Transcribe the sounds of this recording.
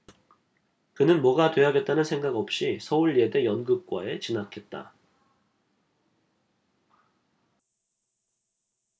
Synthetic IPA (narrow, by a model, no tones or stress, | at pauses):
kɯnɯnmwʌɡatwe̞aɡe̞t̚t͈anɯnsʰeŋɡaɡʌp̚ɕ͈isʰʌuɭːie̞de̞jʌnɡɯp̚k͈wa̰e̞t͡ɕinakʰe̞t̚t͈a̰